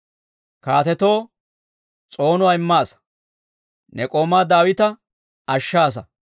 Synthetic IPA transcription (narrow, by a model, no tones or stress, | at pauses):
kaːt̪ɛt̪o̞ː | t͡sʼo̞ːnʊwaːɪmːaːs | nɛkʼoːmaːd̪aːwɪt̪ɐ | ɐʃːaːs̬ɐ